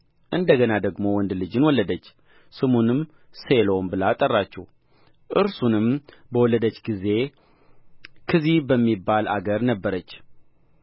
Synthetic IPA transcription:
ʔɨnd̪əɡənad̪əɡmo̞wɔnd̪lɨd͡ʒɨnwɔlːəd̪ət͡ʃː | sɨmunɨm | selombɨlat̪ʼərːat͡ʃːɛw | ʔɨɾsunɨm | bəwɔlːəd̪ət͡ʃːɡize̞ | kʰɨzibəmːibːala̰ɡəɾnəbːəɾət͡ʃː

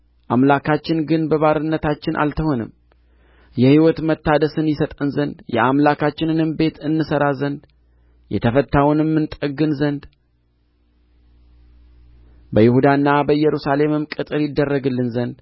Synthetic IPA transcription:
ʔamlakʰat͡ʃːɪnɡɨnbəβaɾɨnːət̪ʰat͡ʃːɪnʔa̰lt̪ʰəho̞nɨ̰m | jɛhiwɔt̪mət̪ːad̪əsɨnjɪsət̪ʼɨnzənd̪jɛ̰amlakʰat͡ʃːɪnɨnɨmbe̞t̪ʰɨnːɨsəɾazənd̪ | jɛ̰t̪ʰəfət̪ːawnmːɨnt̪ʼəɡɨnzənd̪ | bəjɪhud̪anːabəjɛɾusale̞mɨmkʼɨt̪ʼɨɾjɪd̪ːərːəɡɨlːɨnzənd̪

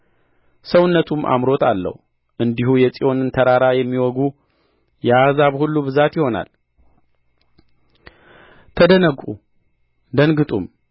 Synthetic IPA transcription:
səwɨnːət̪ʰumʔa̰mɾo̞t̪ʰa̰lːə̰hu | ʔɨnd̪ihujɛt͡sʼiʔo̞nɨnt̪ʰəɾaɾajɛmːiwɔɡu | jɛazaβhulːubɨzat̪jɪho̞na̰l | t̪ʰəd̪ənəɡʼṵ | d̪ənɡɨt̪ʼum

